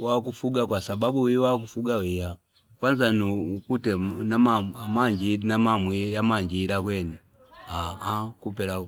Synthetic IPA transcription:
wakufuɡakwasababuwiwakufuɡawija | kwanzanukutɛnamamaɲd͡ʒinamamwijamaɲd͡ʒilakwɛni | aakupɛla

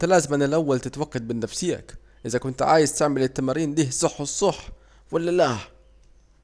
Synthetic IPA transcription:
t̪læːzɪmʔænɪlʔawːælt̪ɪt̪wæɡːad̪̚bɪnːæfsiːæ̰k | ʔɪzækʊnt̪ʕa̰ːjɪzt̪aʕmɪlɪt̪ːamaːɾiːnliːhsˤːɑħːsˤːɑħ | walːælæh

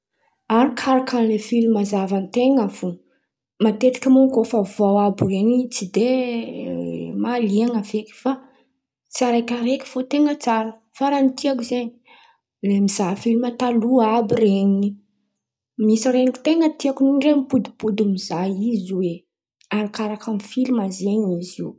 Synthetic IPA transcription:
aɾikʰaɾakʰanlefilmazavant̪eŋavu | mat̪et̪i̥kʲamuŋkofavawabireɲit͡sid̪e | maliaŋavekʲi̥fa | t͡saɾakʲaɾeki̥fot̪eŋət͡saɾə | faɾanit̪iakuzeɲi | lemizafilimat̪aluabireɲii | misirenii̥t̪eŋət̪iakuniɳɖ͡ʐemipud̪i̥pud̪umizajizwe | aɾikaɾakamifilimazeɲiziw

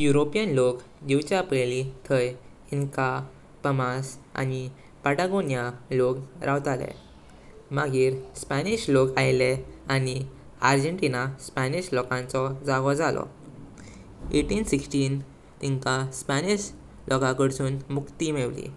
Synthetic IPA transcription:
juɾopijənlok | d͡ʑiwt͡ɕjapəjlit̪ʰəj | iŋka | pəmasa̰ni | pəʈaɡonjalokɾʔawt̪alɛ̰ | maɡiːɾspaniɕlokajlɛani | aɾd͡ʑəɳʈinaspaniɕlɔkãnt͡sɔd͡zaɡɔd͡zalɔ̰ | eʈiːnsiksʈiːn | t̪iŋkaspaniɕ | lʔɔkãkəɽsuːnmukt̪imeʋlḭ

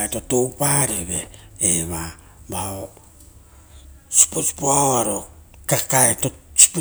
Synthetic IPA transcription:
eto̞to̞wpaɾeβe̞eβa | bao | su̥posi̥poaaɾo̞ | kakaetosu̥p

